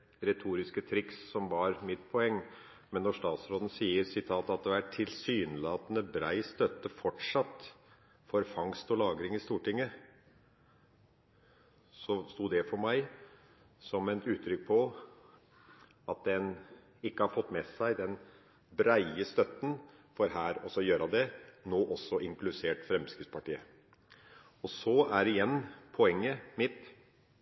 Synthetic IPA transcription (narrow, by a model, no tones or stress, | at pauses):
ɾɛt̪ʰuːɾɪskət̪ʰɾɪkssɔmʋɑɾmɪt̪pʰɔɛŋː | mɛnːɔʂt̪ɑːt̪sɾoːd̪ən̩siːəɾsɪt̪ʰɑːt̪ɑt̪̚d̪ɛæʈʰɪlsyːnlɑːt̪ənəbɾæɪst̪œt̪ːəfɔʈʂɑt̪ː | fɔɾfɑŋst̪ɔlɑːɡɾɪŋɪst̪uːʈɪŋːə | sɔst̪uːd̪ɛfɔɾmæɪ | sɔmæɪt̪ʉːt̪ʰːɾʏk̚ːpʰɔ | ɑt̪̚d̪ɛn | ɪkːəhɑɾfɔt̪ːmɛsæɪd̪ɛn | bɾæɪəst̪œt̪ːən̩ | fɔɾhæːɾɔsɔjøːɾɑd̪ɛnoːʔɔsːɔʔɪŋklʉseːʈfɾɛmskɾɪtspʰɑʈiːə | ɔsɔæɾɪjɛnːpʰɔɛŋːəmɪt̪